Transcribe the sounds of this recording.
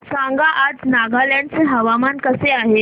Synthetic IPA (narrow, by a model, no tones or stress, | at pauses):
sãŋɡaʔad͡znaɡʱaljãɳɖt͡seɦəʋamankəseaɦe